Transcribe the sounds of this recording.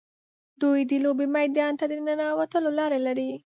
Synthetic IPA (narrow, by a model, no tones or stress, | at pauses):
d̪ujd̪əlobemajd̪ɑnt̪ad̪ənənɑwat̪əlolɑɾelaɾi